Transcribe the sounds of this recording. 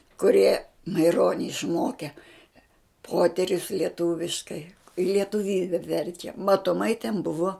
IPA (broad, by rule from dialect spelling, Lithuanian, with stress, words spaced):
kʊˈrʲiɛ mɐɪˈroːnʲɪ ɪʃˈmoːkʲɛ ˈpoːtʲɛrʲʊs lʲiɛˈtuːʋʲɪʃkɐɪ ɪ lʲiɛtʊˈʋʲiːbʲɛ ˈʋʲɛrʲt͡ʃʲɛ mɐtoːˈmɐɪ tʲɛn ˈbʊʋoː